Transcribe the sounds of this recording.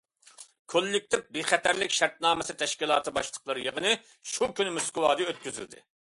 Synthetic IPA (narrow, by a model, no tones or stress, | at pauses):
kʰolːɪk̚ʲt̪ʰɪp̚biχɛt̪ʰæɾlɪkʲʃæɾt̪̚nɑːmɨsɨt̪ʰɛʃkʲilˠɑːt̪ʰɨbɑʃt̪ˠə̥qlˠəɾjəʁənɨ | ʃukʲynmuskɨwɑːd̪ɨøt̪̚kʲyzy̰ld̪ɪ̰